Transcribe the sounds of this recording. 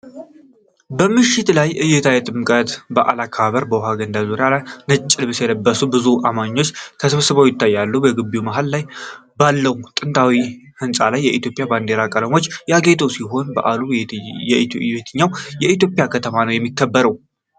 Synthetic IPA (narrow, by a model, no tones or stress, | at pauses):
bəmɨʃɪt̪lajʔɨjːɛt̪ʰajɛt̪ʼɨmkʼət̪bəʔa̰lakʰːəβaβəɾbəwɦaɡənd̪azuɾjalajnət͡ʃʼːɪlbɨsjɛləbːəsubɨzuʔamaɲːo̞t͡ʃːt̪ʰəsɨβsɨβawjɪt̪ʰːajːalːubəɡɨbːiumaɦallajbalːəumt̪ʼɨnt̪ʰʼawihɨnsʼalajːɛʔit̪ʰjo̞pʼɪjaband̪e̞ɾakʼələmo̞t͡ʃːjaɡe̞t̪ʰʼəwsiɦo̞nbə̰ʔalujɛbet̪ʰɨɲːawjɛit̪̬jo̞pʼjakʰət̪ʰəmanəwjɛmːikʰːəbːəɾəw